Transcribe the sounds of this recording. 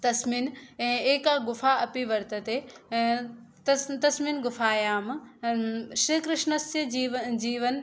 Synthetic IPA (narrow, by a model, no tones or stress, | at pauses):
t̪ɐsmiːnɛ̃ːeːkaɡʊfaɐpiʋɐɾt̪ət̪ẽ | t̪ɐt̪ɐsmiːnɡʊfaːjaːm | ʃɾikɾɪʃnəsjɐd͡ʑiːʋd͡ʑiːʋən